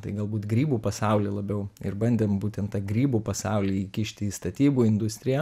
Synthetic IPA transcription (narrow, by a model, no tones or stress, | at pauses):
t̪ɐɪɡɐlˠbuːt̪ɡɾʲiːbuːpɐsɑˑʊlʲiːlˠɐbʲɛʊɪ̰rbɐnʲd̪ʲeːmbuːt̪ʲɛnt̪t̪ɑɡɾʲiːbuːpɐsɑʊlʲiːiːkʲɪʃʲt̪ʲɪiːst̪ɐt̪ʲiːbuːɪnd̪ʊsʲt̪ʲɾʲɪjɛ